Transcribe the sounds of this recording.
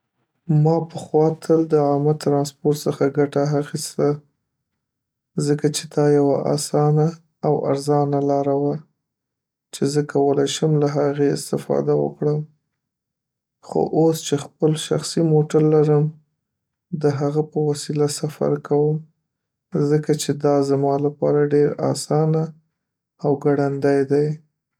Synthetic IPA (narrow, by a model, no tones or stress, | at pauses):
mɑpəxwɑt̪ʰəld̪əɑmat̪ɾɑnspoɾʈ̪səxaɡaʈaɦaxist̪a | zəkat͡ʃed̪ɑjawaʔa̰sɑnaː | wa̰ɾzɑnalɑɾawa | t͡ʃezəkʰawəlajʃəmlaɦaɣeɪ̰st̪ɪfɑ̰d̪awə̰kɽəm | xo̰ʔost͡ʃexpəlʃa̰xsimoʈaɾlaɾəm | d̪əɦaɣapəwasilasafa̰ɾkawəm | zəkat͡ʃed̪ɑzamɑlapɑɾaɖeɾɑ̰sɑnaː | wɡaɽand̪ajd̪aj